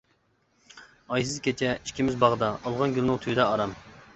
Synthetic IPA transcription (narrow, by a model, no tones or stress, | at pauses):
ɑjs̬ɨzkʲʰet͡ʃʰɛi̥ʃkʲʰimɪzbɑʁd̪ɑʔːlˠʁɑnɡʲylˠnʊŋt̪ʰyjd̪ɛɑɾɑm